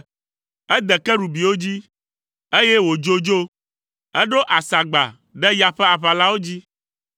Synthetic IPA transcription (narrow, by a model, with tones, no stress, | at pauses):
ɛ˦d̪ɛ˨kɛ˦ɖu˨bi˨wo˦d͡ʑi˦ | e˦jɛ˦wo˨d͡ʒo˦d͡ʒo˦ | ɛ˦ɖo˦ʔa˨sa˨ɡ͡ba̰˨ | ɖɛ˦ja˨ɸɛ˦a˨ɸa˨la˦wo˦d͡ʑi˦